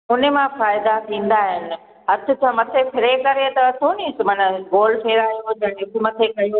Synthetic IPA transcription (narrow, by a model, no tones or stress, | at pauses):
ʊnemãfaːɪd̪at̪ʰĩːn̆d̪aːɦɪnɪ̆ | ɦɐt̪ʰʊ̆t͡ɕʰãːmɐt̪ʰepʰɪɾekɐɾet̪ɐɐt̪ʰonĩːsɪmɐnəɡoːlpʰeːɾaːjod͡ʑɐ̃ːnʊk̪ʰʊmɐt̪ʰekɐjo